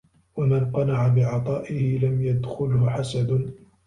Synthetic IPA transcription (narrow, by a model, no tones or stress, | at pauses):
wamanqɑnaʕabɪʕɑt̪ˤɑːʔɪhɪlamjad̪xʊlhʊħasad̪